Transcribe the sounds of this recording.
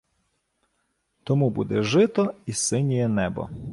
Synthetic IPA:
t̪ɔmubṵd̪ɛʒɪt̪ɔisɪnʲijɛnɛbɔ̰

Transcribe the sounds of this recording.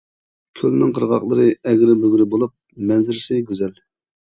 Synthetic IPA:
kʲʰølnɪŋqʰəɾʁɑχlˠəɾɨɛɡʲɾɪbøɡʲyɾɪbolˠup̚mɛnzɪɾɪsɪɡʲyzɛl

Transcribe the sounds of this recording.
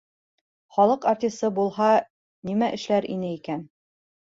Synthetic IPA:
χɒlˠɤqɐrt̪ʲist̪ɤbulˠhɑ | nimæʔɘ̆ʃlæɾḭnɘikæn

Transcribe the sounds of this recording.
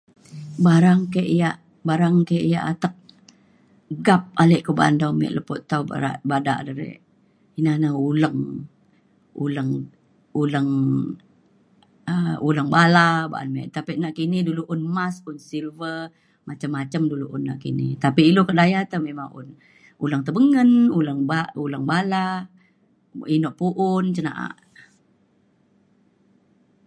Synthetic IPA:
baɾaŋkaʔijaʔ | baɾaŋkaʔija̰ʔat̪ək̚ | ɡap̚alɛʔkəba̰ndamɛ̰ʔləpɔt̪awa̰a̰ʔbada̰ʔdəɾɛ̰ʔ | inanəuləŋ | ṵləŋ | uləŋ | əʔuləŋbalaba̰ʔa̰nmɛ̰ʔt̪apiʔnaʔkiniduluʔʊnmasunsilvə | mat͡ʃamːat͡ʃamduluʔunːaʔkinḭt̪apiːlokəʔdajat̪əmemaŋʊ̰n | ulaŋt̪əbəŋənuləŋbauləŋbala | inɔʔpuʔʊnt͡ʃəna̰ʔa̰ʔ

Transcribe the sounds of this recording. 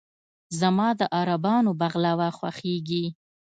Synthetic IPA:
zamɑd̪əʔɑɾabɑnobaɣlawaxwa̰xeɡi

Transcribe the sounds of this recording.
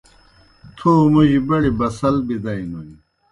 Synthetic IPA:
t̪ʰoːmuʑibɐɽibɐsɐlbid̪ɐinuni

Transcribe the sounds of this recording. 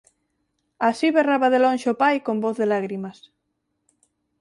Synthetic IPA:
asiβeraβaðelõnʲʃopajkomboθðelaɣɾimas

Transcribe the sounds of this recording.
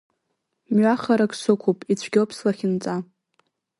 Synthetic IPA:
mɥaχaɾakʰʼsɨkʷʰupʼit͡ɕʷʰɡʲɪlpʰslaχʲɪnt͡sʼa

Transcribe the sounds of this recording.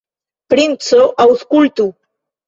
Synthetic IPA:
pɾint͡soʔawskult̪u

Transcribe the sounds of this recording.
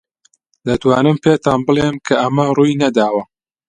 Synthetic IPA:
d̪ɐt̪waːnɨmpeːt̪aːnbɨleːmkʰɐʔɐmɐruːjnɐd̪aːwɐ

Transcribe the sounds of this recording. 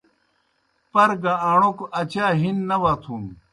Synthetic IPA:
pɐɾɡaaːɳokɐt͡ɕaːɦinːɐwaːt̪ʰuːm

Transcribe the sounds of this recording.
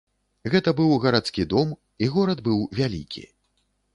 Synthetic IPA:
ɣɛt̪ɐbɨwɣɐɾat̪skʲid̪ɔm | iɣɔɾɐd̪bɨwvʲalʲḭkʲḭ

